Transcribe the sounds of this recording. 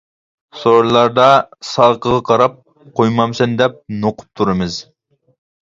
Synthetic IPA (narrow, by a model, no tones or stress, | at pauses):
soɾlˠɑɾd̪ɑsɑlˠqəʁɑqʰɑɾɑp̚ | qʰojmɑmsɨnd̪ɛp̚noqʊ̥p̚t̪ʰuɾɨmɨz